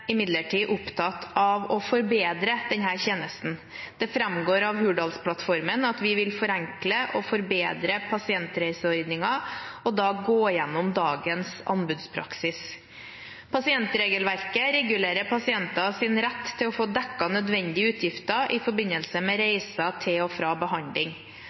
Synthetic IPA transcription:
ɪmɪd̪ləʈʰiːʔʊpt̪ʰɑt̪ʰɑʋɔfɔɾbeːd̪ɾəd̪̥ɛnɦæːɾçeːnəst̪n̩ | d̪̥ɛfɾɛmɡoːɾɑʋɦʉːɖɑlspʰlɑt̪fɔɾmənɑt̪ʋɪʋɪlfɔɾæŋkləʔɔfɔɾbeːd̪ɾəpʰɑsɪɛnt̪ɾæɪsəɔɾd̪nɪŋɑɔd̪ɑːɡoːjɛnːʊmd̪ɑːɡənsɑ̰nbʉːd̪spʰɾɑ̰ksɪs | pʰɑsɪɛnt̪ɾeːɡəlʋæɾkəɾɛɡʉleːɾəpʰɑsɪɛnt̪ɑsɪnɾæt̪ʰːɪlɔfoːd̪ɛkːɑnœd̪ʋɛnd̪ɪəʉːt̪ʰjɪft̪əʔɪfɔɾbɪnːəlsəmɛɾeɪsɑt̪ʰɪlɔfɾɑːbəɦɑnd̪lɪŋ

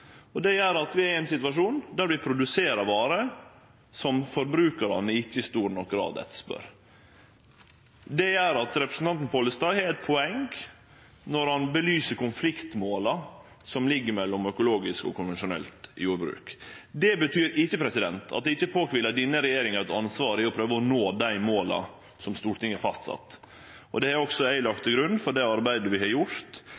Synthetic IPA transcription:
ɔd̪ɛjæɾɑt̪ʋɪæɾæɪnsɪt̪ʉʋɑʂuːnd̪æɾb̪ɪpʰɾʊd̪ʉseːɾɑʋɑːɾə | sɔmfɔɾbɾʉːkɑɾɑ̰nːəɪçːəɪst̪uːɾnɔk̚ɡɾɑ̰ːd̪ɛ̰t̪spœ̰ɾ | d̪ɛjæɾɑt̪ɾɛpɾəsn̩t̪ɑnt̪n̩pʰoːləst̪ɑhɛɾɛt̪̚pʰɔɛŋɡ | nɔɾhɑnbəlyːsəɾkʊnflɪkt̪moːlɑ | sɔmlɪɡːəɾmɛlːɔmœkʊloːɡɪskɔ̰kʰʊnʋɛnʂʊnɛ̰lt̪ɪ̰juːɾbɾʉ̰ːkd̪ɛbət̪ʰyːɾɪçːəpʰɾɛsɪd̪ɛnt̪ʰɑ̰t̪̚d̪ɛɪçəpʰoːkʋɪləd̪iːnəɾɛjeːɾɪŋɑɾɛt̪ɑnsʋɑːɾɪɔpʰɾøːʋəɔnoːd̪æɪmoːlɑ̰ | sɔmst̪uːɾʈɪŋːəfɑst̪sɑ̰t̪ː | ʔɔd̪ɛæɾɔksɔæɪlɑkt̪əɡɾʉnfɔɖɛɑɾbæɪd̪əʋɪhɑɾjʊɾt̪

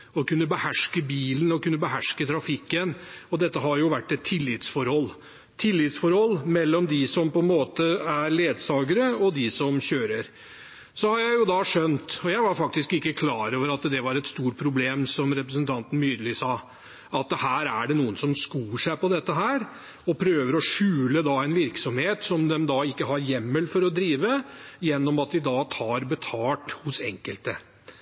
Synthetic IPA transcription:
ɔkʉnːəbəhæʂkəbiːln̩ɔkʉnːəbəɦæʂkət̪ʰɾɑfɪkːənɔd̪ɛt̪ːəɦɑɾjʊʋæʈːɛt̪ʰːɪlːɪt̪sfɔɾhɔlː | t̪ʰɪlːɪt̪sfɔɾhɔlːmɛlːɔmd̪ɪsɔmpɔɛnmoːt̪əæɾleːd̪sɑːɡəɾəɔd̪ɪsɔmɕøːɾəɾ | sɔhɑɾjæɪjʊd̪ɑʂœnt̪ɔjæɪʋɑɾfɑk̚t̪ɪskɪkːəkʰlɑːɾoːʋəɾɑt̪d̪ɛʋɑɾɛt̪st̪uːʈ̚pʰɾʊbleːmsɔmɾɛpɾəsnt̪ʰɑnt̪ən̩myːd̪əlɪsɑː | ɑt̪hæːɾæɖɛnuːənsɔmskuːəʂæɪpɔd̪ɛt̪ːəɦæːɾ | ɔpʰɾøːʋəɾɔʂʉːləd̪ɑæɪnʋɪɾksɔmheːt̪sɔmd̪ɛmd̪ɑɪkːəɦɑɾjɛmːəlfɔɾɔd̪ɾiːʋəjɛnːɔmɑt̪̚d̪ɪd̪ɑːt̪ʰɑːɾbət̪ʰɑːʈhʊsɛ̰ŋkəlt̪ə

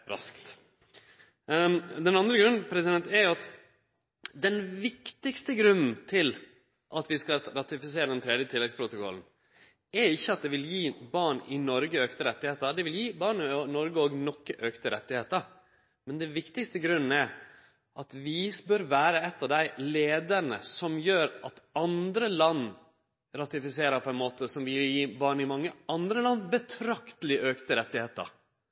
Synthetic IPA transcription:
ɾɑ̰skt̪ | d̪ɛnɑnd̪ɾəɡɾʉnn̩pʰɾɛsɪd̪ɛnt̪ɛɾjʊɑt̪ | d̪ɛnʋɪkt̪ɪkst̪əɡɾʉnn̩t̪ʰɪl | ʔɑt̪ʋɪskɑɾɑt̪ɪfɪseːɾəd̪ɛnt̪ʰɾɛːd̪jət̪ʰɪlːɛɡspʰɾʊt̪ʊkɔ̰ln̩ | ɛɾɪçːəɑt̪̚d̪ɛʋɪljiːbɑːɳɪnɔɾɡəøːkt̪əɾɛt̪ːɪheːt̪əd̪ɛʋɪljiːbɑːɳnɔɾɡəoːɡnɔkːəʔøːkt̪əɾɛt̪ːɪheːt̪əɾ | mɛnd̪ɛʋɪkt̪ɪkst̪əɡɾʉnːəæ | ʔɑt̪ʋɪbœɾʋæːɾəɛt̪ːɑʋd̪æɪleːd̪əɾnə̰sɔmjøːɾɑt̪ɑnd̪ɾəlɑnː | ɾɑt̪ɪfɪseːɾəpʰɔɛnmoːt̪əsɔmʋɪljiːbɑːɳɪmɑŋːəɑnd̪ɾəlɑnːbət̪ʰɾɑkt̪əlɪʔøːkt̪əɾɛt̪ːɪheːt̪ə̰ɾ

